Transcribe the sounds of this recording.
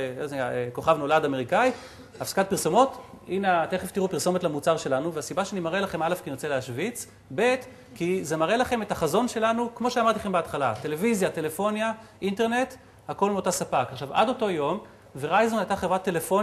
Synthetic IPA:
odeaeko̞χavno̞ladameʁikai | afsḁkat̚piʁsomo̞tineateχeft̪iʁupiʁso̞motlamut͡saʁʃe̞lanuveasibaʃeanimaʁelaχe̞malefkinot͡seleaʃvit͡s | be̞t | kize̞maʁe̞laχe̞me̞thaχazo̞nʃe̞lanukmo̞ʃeamaʁt̪iχembeat̪χala̰te̞levizjate̞le̞fo̞njaʔinte̞ʁne̞t | hako̞lmeotasapakaχʃava̰do̞to̞jo̞m | veʁajzonajtaχevʁat̪ːe̞lefo̞

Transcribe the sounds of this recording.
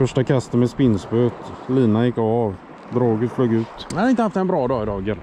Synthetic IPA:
fœʂʈakʰast̪ənmɛspɪnsbøːt̪liːnajɪkːav | d̪ɾoːɡəɾfløːɡʉ̟ːt̪had̪ɪnt̪əhaft̪ɛnbɾɑːd̪ɑːɪd̪ɑːɡəɾ

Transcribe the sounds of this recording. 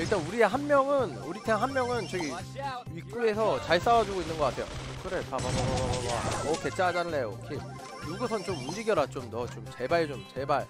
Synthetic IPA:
iɭt͈anuɾieɦanmjʌŋɯnuɾitʰenɦanmjʌŋɯnt͡ɕeɡi | ik͈ue̞sʰʌt͡ɕaɭs͈awad͡ʑuɡoinːɯnɡʌk͈atʰe̞jo̰ | kɯɾe̞opabababbabababʌke̞t͡ɕ͈ad͡ʑanɯɭːejokʰi | juɡusʰʌnt͡ɕomund͡ʑiɡjʌɾat͡ɕomnʌt͡ɕomt͡ɕe̞baɭt͡ɕomt͡ɕe̞baɭ

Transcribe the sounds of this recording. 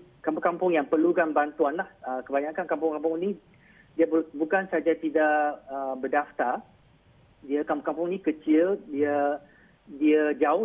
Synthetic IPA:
kampkampʊŋjaŋpərlukanbant̪uanlahəkəbaɲãkankampʊŋkampʊŋnĩ | diəbbukansaad͡ʒat̪idaʔəbədaft̪ar | diəkampŋkampʊŋnĩkət͡ʃɪldiə | diəd͡ʒaʊ

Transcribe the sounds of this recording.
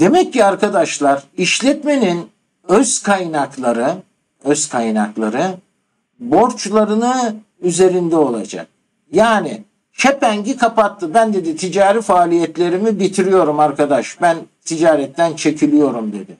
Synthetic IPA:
d̪̥e̞mɛcːiaɾkad̪aʃlˠaɾiʃlʲɛt̪me̞nin | øz̥kʰajnaklˠaɾɯ | øzkʰajna̰klˠa̰ɾɯ | bo̞ɾt͡ʃlˠaɾɯnɯ | yze̞ɾind̪ɛo̞lˠa̰d͡ʒa̰k̚ | jaːni | t͡ʃʰɛpæɲɟikʰapat̪ʰːɯbænd̪e̞d̪it̪ʰid͡ʒaːɾifaːlʲijɛt̪lʲe̞ɾimibit̪ʰiɾijo̞ɾumaɾkad̪aʃbænt̪ʰid͡ʒaːɾɛt̪ʰːænt͡ʃʰe̞cʰilʲijo̞ɾumd̪e̞̰d̪ɪ

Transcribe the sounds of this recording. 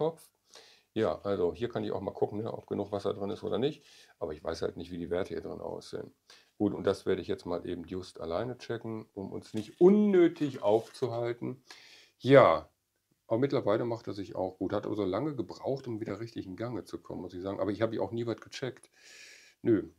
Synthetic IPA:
ɔp͡f | jaːʔalzoɦiːɐkʰanɪça̰ʊxma̰ːlkʰʊkŋ̩nəʔɔ̰p̚ɡ̥ənuːxv̥asɐ̰dʁɪnɪstʔoːdɐnɪçtʔaːbɐɪçv̥a̰ɪsha̰ltnɪçtv̥iːdiːvɛɐtəhiːɐdʁɪnʔa̰ʊsz̥ḛːən | ɡ̥uːtʊnt̚d̥asv̥eːɐɾəɪçjɛt͡stmaːlʔeːbm̩tjʊsta̰laɪnət͡ʃɛkŋ̩ʔʊmʔʊ̰nsnɪçtʔʊnːøːtʰɪçʔaʊft͡suɦaltn̩ | jaː | ʔaːbɐmɪtlɐvaɪləmaχtdɛɐszɪça̰ʊxɡ̥uːthatʔa̰ːbɐzoːlaŋəɡəbʁa̰ʊxtʊmviːdɐʁɪçtɪçn̩ɡaŋət͡sukʰɔ̰mənmʊsɪçz̥aːɡŋ̩ʔaːbɐɪçhaːbəiçʔa̰ʊxniːvaɪtɡ̥ət͡ʃɛkt | nø

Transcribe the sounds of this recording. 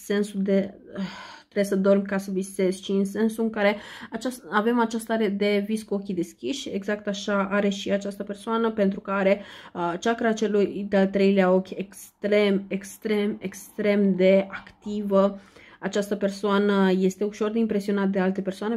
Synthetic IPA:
se̞nsud̪e̞ət̪ɾesəd̪o̞rmʲkasəvise̞zʃiɨnse̞nsuɨŋkaɾe̞at͡ʃasave̞mat͡ʃast̪aɾe̞d̪e̞viskuo̞kʲid̪e̞skʲiʃʲe̞ɡzak̚t̪aʃaaɾe̞ʃiat͡ʃast̪əpe̞rsoanəpe̞nt̪ɾukəaɾe̞ət͡ʃakəɾat͡ʃe̞lujd̪ealt̪ɾe̞jleao̞kʲekst̪ɾe̞mekst̪ɾe̞mekst̪ɾe̞md̪e̞akt̪ivəat͡ʃast̪əpe̞rsoanəje̞st̪e̞uʃo̞rd̪eimpɾe̞sio̞nat̪əd̪e̞alt̪e̞pe̞rsoane

